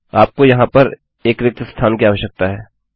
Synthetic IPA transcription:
aːp̚kojɐɦãpɐɾ | eːkɾɪk̚t̪əst̪ʰaːnkiaːʋəʃjək̚t̪aɦɛː

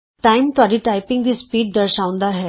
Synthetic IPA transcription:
ʈaimt̪aɾiːʈajpiŋɡd̪iːspiːɖ̚d̪əɾɕaʋ̃nd̪aɦe

